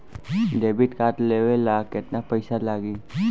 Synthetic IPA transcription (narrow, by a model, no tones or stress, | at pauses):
ɖebiʈkaʈ̪leʋelakɪt̪napəjsalaːɡi